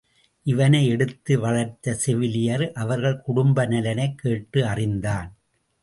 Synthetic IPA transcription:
ʔɪʋɐnɐɪɛɽɯt̪ːɯʋɐɭɐɾt̪ːɐsɛʋɪlɪjɐɾʔɐʋɐɾɣɐɭkʊɽʊmbɐnɐlɐnɐɪkːeːʈːɯɐrɪnd̪aːn

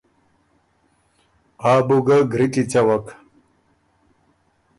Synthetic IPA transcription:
aːbuɡɐɡʱɾit̪ʼit͡sɐwɐk

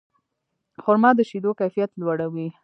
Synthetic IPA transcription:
xʊɾmɑd̪əʃid̪okajfijat̪lwaɽawi

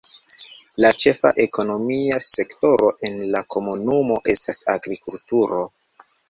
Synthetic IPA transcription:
lat͡ʃe̞fa̰ʔe̞ko̞no̞miase̞kto̞ɾo̞ʔe̞nlakʰo̞munumo̞ʔe̞stasaɡɾikultuɾo̞

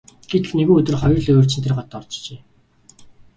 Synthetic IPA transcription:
ɡ̥et̪ɘɮneɣuːɵt̪ɵ̆rχɔjɞ̆rɮeoːrt͡ɕɪ̆nt̪erɢɔt̪ːɔrt͡ɕt͡ɕeː

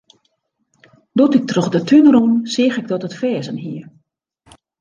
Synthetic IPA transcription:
dutɪk̚troxdətʰynrunsɪəxɪɡ̚dɔtətfɛːzənɦiər

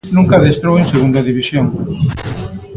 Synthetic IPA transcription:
nũŋkɐðest̪ɾowẽŋseɣund̪ɐðiβ̞isjoŋ

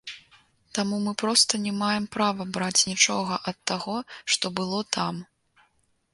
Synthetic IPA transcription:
t̪amumɨpɾɔst̪ɐnʲɛmajɛmpɾavɐbɾat͡sʲnʲit͡ʂɔɣɐʔɐt̪ːaɣɔʂt̪ɔbɨlˠɔt̪ʰam

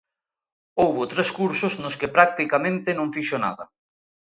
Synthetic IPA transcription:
owβʊt̪ɾeskuɾsʊznʊskɪpɾak̚t̪ikamẽnt̪enõŋfiʃona̰ðɐ̰

